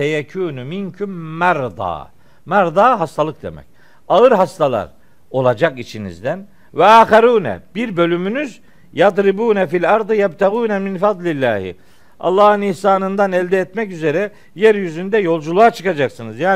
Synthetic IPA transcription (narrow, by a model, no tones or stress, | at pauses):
sɛjɛkʰuːnumincʰumːæɾd̪ɑ̰ː | mæɾd̪ɑːɦast̪ʰalˠɯk̚d̪e̞̰mɛ̰c | aɯɾɦast̪ʰalˠa̰ɾ | o̞lˠad͡ʒakit͡ʃʰinḭzd̪æn | vɛaːxaɾuːnɛ̰biɾbø̞lʲymynyz | jad̪ɾibuːnɛfilʲɑɾd̪ɯjæbt̪ʰaɣuːnɛminfad̪ˤlʲilʲːæːhḭ | ʔɑ̰lˠːɑːhɯnihsaːnɯnd̪anɛlʲd̪ɛːt̪mɛcyze̞ɾɛ | jæɾjyzynd̪ɛjo̞lˠd͡ʒulˠuat͡ʃʰɯ̥kad͡ʒaksɯnɯzjaː